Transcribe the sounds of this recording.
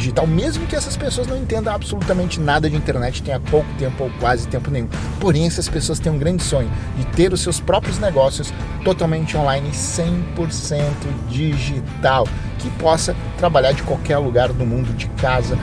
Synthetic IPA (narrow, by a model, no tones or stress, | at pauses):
iʒit̪awmezmʊkɪɛsɐspesoɐznɐ̃w̃ẽnt̪ẽnd̪ɐ̃absolut̪ɐmẽnt͡ʃɪnad̪ɐd͡ʒɪĩt̪eɾnɛt͡ʃɪ̥t̪ẽj̃ɐpowkʊ̥t̪ẽmpʊowkwazɪt̪ẽmpʊnẽj̃ũ | poɾẽj̃ɛsɐspesoɐst̪ẽj̃ũɡɾɐ̃nd͡ʒɪsõɲʊ | d͡ʒɪt̪eɾʊsewspɾɔpɾjʊzneɡɔsjʊs | t̪ot̪awmẽnt͡ʃɪõlajnɪsẽj̃poɾsẽnt̪ʊd͡ʒiʒit̪aw | kɪpɔsɐ | t̪ɾabaʎaɾd͡ʒɪkwawkɛɾluɡaɾd̪ʊmũnd̪ʊd͡ʒɪkazɐ